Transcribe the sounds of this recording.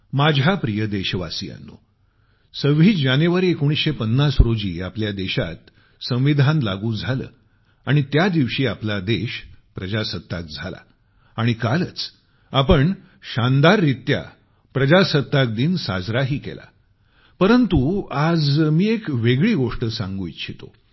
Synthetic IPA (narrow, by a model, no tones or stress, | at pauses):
mad͡ʑʱapɾijəd̪eɕʋa̰sija̰nːo | səʋiːd͡ʑanjeʋaɾiːekoɽ̃isɕepənːasɾod͡ʑḭːapljad̪eɕat̪ | sə̃w̃ʋid̪ʱãnla̰ɡuːd͡zʱalə̰ː | aɽ̃it̪jad̪iʋɕiːaplad̪eɕpɾəd͡ʑasət̪ːak̚d͡zʱala̰ | aɽ̃ikalət͡s | apəɳ | ɕand̪aɾːit̪ja̰ | pɾəd͡ʑasət̪ːak̚d̪iːnsa̰d͡zɾaɦiːkḛla̰ | pəɾənt̪uad͡zmiːekʋeɡɭiːɡoʂʈəsãŋɡujt̪ɕʰit̪o̰